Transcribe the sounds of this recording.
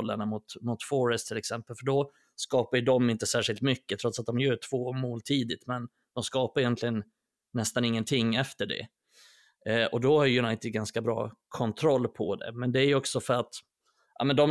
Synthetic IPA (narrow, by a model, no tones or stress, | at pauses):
lːə̰ɳamʊt̪mʊt̪fɔɾɛst̪ʰɪlɛksɛmpəlfœɖɔ | skɑːpajɵd̪ɔmɪnt̪əsæːʂɪlt̪mʏkːət̪ʰɾɔt̪sat̪̚d̪ɔmjœːʈʰv̥oːmoːlt̪ʰiːd̪ɪt̪mɛn | d̪̥ɔmskɑːpaɾɛjɛnt̪ʰlɪɡənː | ɛst̪anɪŋːənt̪ʰɪŋːɛft̪əɖɛ̰ | ʔɔd̪ɔhajjɵnajt̪ɪd̪ɡanskabɾɑ̰ːkʰɔnt̪ʰɾɔlːpʰɔd̪ɛ̰mɛnd̪ɛæɾjɔksɔfœɾat̪ | ʔa̰ːmɛnd̪ɔm